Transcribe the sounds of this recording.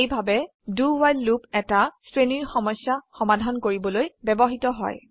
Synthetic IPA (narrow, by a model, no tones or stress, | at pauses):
ejbʱabɛ | duwajlːupɛtasɹeniɹxɔmɔjsjaxɔmadʱankoɹibɔlojbɛbɔɦitɔɦɔ̰j